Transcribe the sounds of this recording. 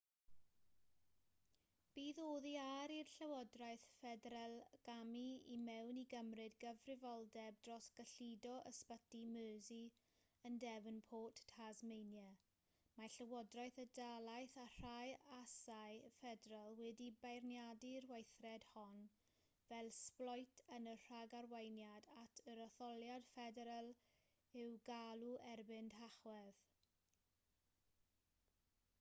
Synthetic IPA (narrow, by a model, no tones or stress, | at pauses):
b̥iːðoːðiaɾirɬəwɔdrajθfɛdrɛlˠɡ̥amiimɛwniɡəmrɨdɡəvrɪvɔlˠdɛb̚drɔsɡ̥əɬidɔʔəspətimøːzi | əndɛvənpʰoːtʰtʰhazmejnjə | maɬəwɔdrajθədalˠajθar̥ajasajfɛdralˠwɛdibajrnjadɪrwejθrɛd̥hɔn | vɛlˠsplɔjtʰənər̥aɡarwejnjadatʰəɾɔθɔlˠjad̥fɛdɛɾalˠ | ɪwɡalˠuʔɛrbɪndɦaχwɛð